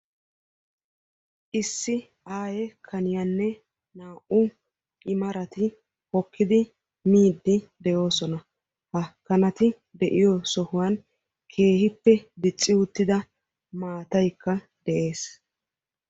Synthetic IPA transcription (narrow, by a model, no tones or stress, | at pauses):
ʔɪsːɪ | ʔaːjɛkʰɐnɪjɐnːɛ | naːʔʊ | ʔɪmɐɾɐt̪ɪ | hɔkːɪd̪ɪ | miːd̪ːɪd̪ɛjo̞ːsɔnɐ | hɐkːɐnɐt̪ɪ | d̪ɛʔɪjɔsɔhʊwan | kʰe̞ːhɪpːɛd̪ɪt͡sʼːɪʊt̪ːɪd̪ɐ | maːt̪ɐjkːɐ | d̪̥ɛʔe̞ːs